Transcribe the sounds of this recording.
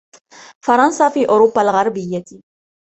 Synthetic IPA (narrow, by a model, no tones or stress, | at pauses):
fɑɾˤɑnsaːfiːʔʊɾʊbːalɣɑɾˤbɪjːat̪